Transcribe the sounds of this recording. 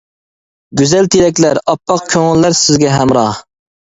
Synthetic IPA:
ɡʲyzɛlt̪ʰeɾɛkʲlæɾɑpːɑq̚kʲʰøŋɪlːæɾsɪzɡʲɛɦɛmɾɑh

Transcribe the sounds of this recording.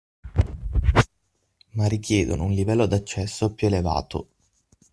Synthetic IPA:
marːikjɛːd̪o̰nounlivɛlːod̪at͡ʃːɛsːopjueleva̰ːt̪o̰

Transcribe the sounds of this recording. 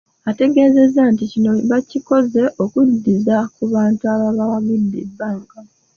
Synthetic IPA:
ate̞ɡe̞ːze̞zanticino̞βaciko̞ze̞ʔo̞kudːizakuβaːntuaβaβawaβidːibːaːŋka

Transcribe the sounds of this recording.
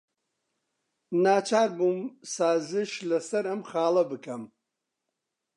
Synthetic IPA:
naːt͡ʃʰaːɾbumsaːzɨʃlɐsɐɾɐmχaːlˠɐbɨkʰɐm

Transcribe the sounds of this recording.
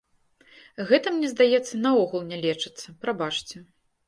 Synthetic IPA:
ɣɛt̪ɐmnʲɛzd̪ajɛt̪sːɐnɐɔɣulˠnʲɛlʲɛt͡ʂɨ̥t̪sːɐpɾabat͡ʂt͡sʲɛ

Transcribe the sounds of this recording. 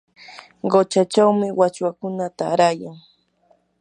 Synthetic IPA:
ɢot͡ʃat͡ʃawmɪwat͡ʃwakʊnat̪aːɾajaŋ

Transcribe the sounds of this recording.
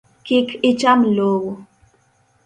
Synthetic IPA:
kikit͡ʃamloːwo

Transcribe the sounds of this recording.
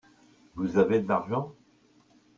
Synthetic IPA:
vuzaved̪əlaʁʒɑ̃

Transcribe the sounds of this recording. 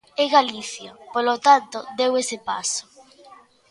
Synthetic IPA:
eɣaliθjapolot̪ant̪od̪ewesepa̰so̥

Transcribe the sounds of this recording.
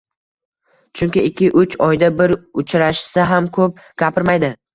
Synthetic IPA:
t͡ʃʰʊŋkʲɪɪkʲːɪʔʊt͡ʃɒjd̪abɪɾʊt͡ʃʰɾaʃsaɦamkʰɵp̚ | ɡ̥ʲapʰɪɾmajd̪ɪ

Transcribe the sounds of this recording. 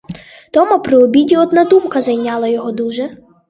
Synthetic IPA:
t̪ɔmupɾɪɔbʲidʲiɔd̪nad̪umkɐzɐjnʲɑlˠɐjɔɦɔd̪uʒɛ

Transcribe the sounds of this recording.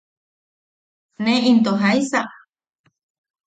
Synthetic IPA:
nẽint̪oɦajsaʔ

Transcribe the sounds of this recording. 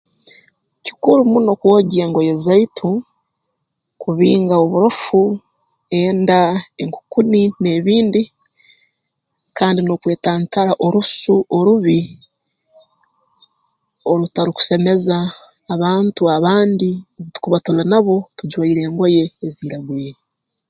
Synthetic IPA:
ci̥kuɾumuno̞kuwoɟieːŋɡo̞jezaitʰu | kuβiːŋɡaoβuɾofu | e̞ːndaeŋku̥kunine̞ːβiːndi | kaːndino̞kwe̞ːtaːntaɾaʔo̞ɾusuʔoɾuβi | o̞ɾutaɾiku̥se̞me̞zaː | βaːntuaβaːndioβutu̥kuβatulanaβo̞tud͡ʒwaiɾe̞ːŋɡo̞je̞ːziːɾaɡweːɾi

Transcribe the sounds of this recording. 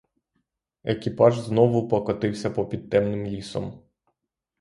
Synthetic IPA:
ekʲipɑʒznɔʋʊpɔkɔt̪ɪwsʲɐpɔpʲid̪̚t̪ɛmnɪmlʲisɔ̰m

